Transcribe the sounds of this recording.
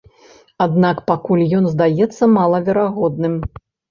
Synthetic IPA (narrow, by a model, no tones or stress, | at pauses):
ad̪nakpakulʲjɔnzd̪ajɛt̪sːɐmalˠɐvʲɛɾaɣɔd̪nɨm